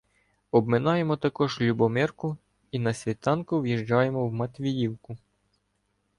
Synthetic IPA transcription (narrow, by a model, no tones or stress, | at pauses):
ɔbmɪnɑje̞mɔt̪ɐkɔʒlʲubɔmɪrkʊ | inɐsʲʋʲit̪ɑnkʊʋjiʒd͡ʒɑjemɔwmɐt̪ʲʋʲijiwkʊ